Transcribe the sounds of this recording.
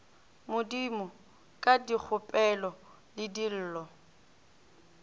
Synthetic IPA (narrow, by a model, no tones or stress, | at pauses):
mʊdimɔ | kʼadik͡xʰʊpʼɛlɔ | lɪdil̩ːlɔ